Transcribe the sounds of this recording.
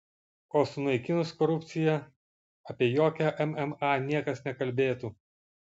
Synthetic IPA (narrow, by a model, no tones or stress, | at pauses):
oːsʊnɐɪkʲɪnʊskɔɾʊp̪ʲsʲɪjɛ | ɐpʲiɛjoːkʲæʔɛmɛmɑnʲiɛkɐsnʲɛkɐlʲbʲeːt̪uː